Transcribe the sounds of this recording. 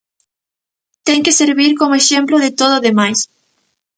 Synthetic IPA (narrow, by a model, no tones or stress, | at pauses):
t̪ɛŋkɪseɾβiɾkomoeʃemploðɪt̪oð̞ʊaðemajs